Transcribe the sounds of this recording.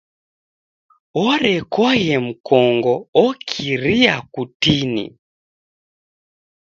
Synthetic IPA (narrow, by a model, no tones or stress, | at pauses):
ɔɾɛkɔjɛm̩kɔŋɡɔɔkʰiɾiakutinḭ